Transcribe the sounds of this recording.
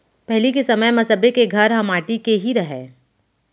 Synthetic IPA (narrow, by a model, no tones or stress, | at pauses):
pɛɦlikesɐməjmɐsəbekeɡʱɐɾɦɐmaːʈikeɦiɾɐɦeː